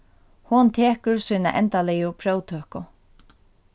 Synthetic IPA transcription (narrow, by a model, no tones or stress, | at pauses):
hʊnt̪ʰeːhkɵɹsiːna̰ʔɛnt̪alɛjʊpʰɾoːwt̪ʰøːhkʊ